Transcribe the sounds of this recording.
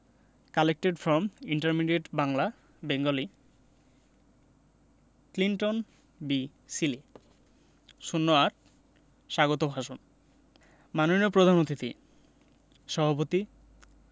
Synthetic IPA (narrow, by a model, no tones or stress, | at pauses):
kalek̚ʈeɖfɾɔmiɳʈaɾmiɖeʈbaŋla | beŋɡoli | kliɳʈon | bi | sili | ʃunːoaɾ | ʃaɡot̪obʱaʃon | manoniopɾod̪ʱanot̪it̪ḭ | ʃɔbʱapot̪i